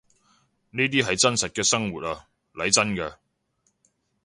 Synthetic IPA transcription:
niː˥t̪̬iː˥ɦɐ˨jt͡sɐ˥nsɐ˨t̚kɛː˧sɐ˥ŋwuː˨t̚aː˧ | lɐ˨˥jt͡sɐ˥nkɛː˧

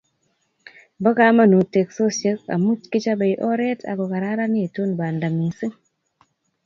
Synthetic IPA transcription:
bɔ˦ka˦ma˦˨nu˨te˨kso˦se˦ka̰˨mu˦t͡ʃki˦t͡ʃa˦ba˨jʔɔ˦ɾe˦tʰa̰˨kɔ˨ka˨ɾa˦ɾa˦ni˦e˨to˦nba˨nda˨mi˨si˦ŋ

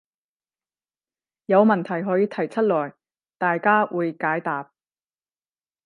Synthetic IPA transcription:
jɐ˨˧wmɐ˨nt̪ʰɐ˨˩jɦɔː˨˥jiː˧t̪ʰɐ˨˩jt͡sʰɐ˥t̚lɔː˨˩j | t̪aː˨jkaː˥wʔuː˨˧jkaː˨˥jt̪aː˨p̚

